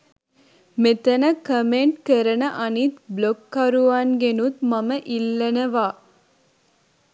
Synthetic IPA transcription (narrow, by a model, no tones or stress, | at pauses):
met̪ɐnəkəmeɳʈkəɾənəʔɐnit̪blokːɐɾuʋaːnɡenut̪mɐməʔilːɐnəʋaː